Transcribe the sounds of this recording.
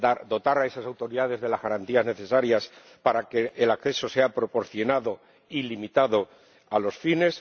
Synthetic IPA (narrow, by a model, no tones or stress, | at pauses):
aɾd̪o̞t̪aɾae̞sasawt̪o̞ɾiðaðe̞zðe̞lazɣaɾant̪iazne̞θe̞saɾjas | paɾake̞ʔːlakθe̞so̞se̞apɾo̞po̞ɾθjo̞naðo̞ | ilimit̪aðo̞ | alo̞sfine̞s